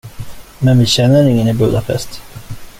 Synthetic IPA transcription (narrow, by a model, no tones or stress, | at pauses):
mɛnvɪɕɛnːəɾɪŋːənɪbṵːd̪apʰɛ̰st̪